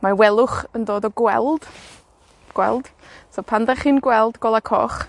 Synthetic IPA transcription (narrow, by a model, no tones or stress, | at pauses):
mawɛlˠʊχəndoːdɔɡwɛ̰lˠd̥ | ɡ̥wɛ̰lˠd̥ | sopʰandɛχɨːnɡwɛlˠdɡ̥oːlˠakʰɔ̰ːχ